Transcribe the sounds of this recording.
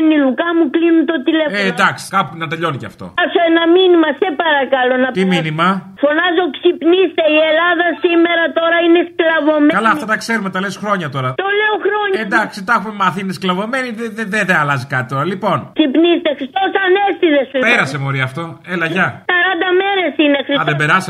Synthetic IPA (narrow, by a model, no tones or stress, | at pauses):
nilukɐmuklinunt̪o̞t̪ilefed̪ɐkskɐpunɐt̪eʎo̞niceɐ̰ft̪o̞̰ɐsoenɐminimɐsepɐɾɐkɐlo̞nɐt̪imminimɐfo̞nɐzo̞ksipnist̪eielɐðɐsimeɾɐt̪o̞ɾɐinesklɐvo̞mekɐlɐɐfft̪ɐt̪ɐkse̞ɾumet̪ɐlesxɾo̞ɲɐt̪o̞ɾɐt̪oleoxɾoɲend̪ɐksit̪ɐxumemɐθiinesklɐvo̞me̞niðeðeðeðeɐlɐzikɐt̪it̪o̞ɾɐlipo̞nksipnist̪exɾist̪osɐnest̪iðesupeɾɐsemo̞ɾiɐːft̪o̞elɐʝɐsɐɾɐnd̪ɐmeɾesinexɾisɐððebeɾɐs